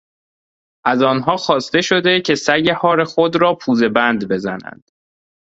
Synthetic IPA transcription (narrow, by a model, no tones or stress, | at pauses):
ʔæzɒːnɦɒːxɒːst̪e̞ʃo̞d̪e̞cʰe̞sæjehɒːɾexod̪ɾɒːpʰuːze̞bænd̪be̞zænæ̰nd̪̥